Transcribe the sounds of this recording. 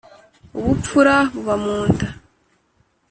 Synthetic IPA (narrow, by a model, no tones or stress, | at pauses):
uβup͡fuɾaβuβamuːntḁ